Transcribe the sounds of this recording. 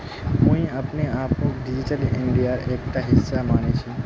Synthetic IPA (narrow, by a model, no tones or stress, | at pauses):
mũjapniapuk̚ɖid͡ʑitaliɳɖijaɹɛkʈaɦisːamanit͡ʃʰũ